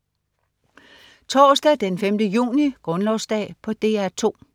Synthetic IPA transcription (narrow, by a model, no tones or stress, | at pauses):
t͡sʰɒːsd̥ɛd̥enfemd̥əjṵːniɡ̥ʁɔ̽nlɒʊsd̥ɛ̰ːpʰɒ̽d̥e̝̰ːæɐt͡sʰo̝̰ː